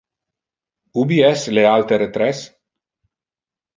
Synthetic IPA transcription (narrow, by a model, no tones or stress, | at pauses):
ubiɛslealt̪eɾet̪ɾɛs